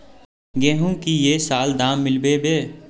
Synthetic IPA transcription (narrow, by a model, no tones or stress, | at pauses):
ɡeːɦũkijeːsaːld̪aːmːɪlbebeː